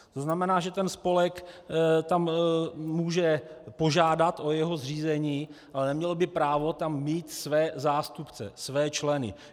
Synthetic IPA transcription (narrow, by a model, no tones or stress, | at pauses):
t̪oznamɛnaːʒɛt̪ɛnspo̞lɛkt̪ammuːʒɛpo̞ʒaːdat̪ʔo̞jɛɦozr̝iːzɛɲiːʔalɛnɛmɲɛlbɪpɾaːvo̞t̪amːiːt̪svɛːzaːst̪upt͡sɛ̰svɛːt͡ʃlɛnɪ̰